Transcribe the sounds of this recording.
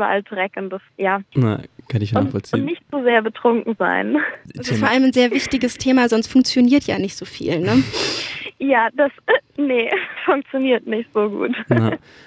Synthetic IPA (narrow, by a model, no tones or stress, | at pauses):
bɐ̰ʔa̰ldʁɛkəndəsjaːna̰kʰanɪçnʊaːfɔ̰lt͡sʊːnɪçtz̥uzeːɐbətʁ̥ʊŋkŋ̩za̰ɪnazofɔːɐʔaləmnzeːɐvɪçtɪɡəstʰeːmaːzɔnstfʊŋk̚t͡sjoniːɐtʰja̰ːnɪçtz̥oːfḭːlnə | jaːd̥asnəfʊŋk̚t͡sjoniːɐtnɪçtz̥oːɡṵːtː